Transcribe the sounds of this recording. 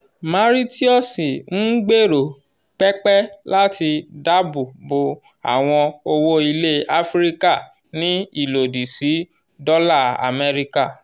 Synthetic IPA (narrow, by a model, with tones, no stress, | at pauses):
mã˧ɾi˦ti˦ɔ˦˨si˨n̩˦ɡ͡be˦˨ɾo˨ | k͡pɛ˦k͡pɛ˦la˦ti˧da˦bu˨bo˨ | a̰˨w̃ɔ̃˧o˧wo˦i˧le˦a˦fɾi˦ka˦˨ | nĩ˦i˦˨lo˨di˨si˨˦ | dɔ˦la˦˨a̰˨mɛ˦ɾi˦ka˦˨